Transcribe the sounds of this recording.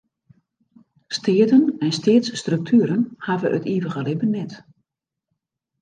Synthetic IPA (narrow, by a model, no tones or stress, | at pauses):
stʰɪədənɛnstɪətstrɵk̚tʰyːɾənhavəʔətiːʋəɣəlɪbənːɛt